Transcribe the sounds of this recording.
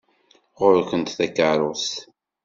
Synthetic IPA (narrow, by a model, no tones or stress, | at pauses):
ʁʊɾkənt̪θækːəɾˤʊs